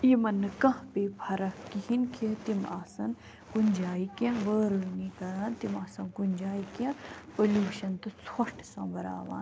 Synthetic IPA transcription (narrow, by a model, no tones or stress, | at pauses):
imɐnːɨkɐ̃ɦpeːpʰɐɾɐkihinkʰit̪imaːsɐn | ɡunʲd͡ʒaːikʲjãʋəːɾəːnikɐɾaːnt̪imaːsɐnɡunʲd͡ʒaːikjãpɐlʲuːʃɐnt̪ɨt͡sɐʂʈsɐ̃bɐɾa̰ːʋa̰ːn